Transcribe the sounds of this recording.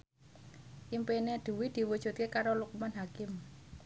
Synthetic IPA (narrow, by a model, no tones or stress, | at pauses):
ʔimpened̪̥ṳwid̪̥i̤wud̥ʒ̥ṳt̪̚kekaɾolukumɔnɦakɪm